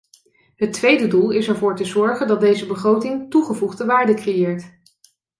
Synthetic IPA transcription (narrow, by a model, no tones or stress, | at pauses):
ɦətʋejdədulˠɪsɛɹvʊːɹtəzɔɹχəndɑt̚dejzəbəχrowtɪŋtuχəvuχdəʋaːɹdəkrejɪːɹt